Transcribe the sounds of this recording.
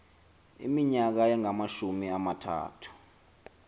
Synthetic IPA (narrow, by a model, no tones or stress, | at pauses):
ḭmiɲak̬aɛŋamaʃumiamatʰa̰ːtʰu̥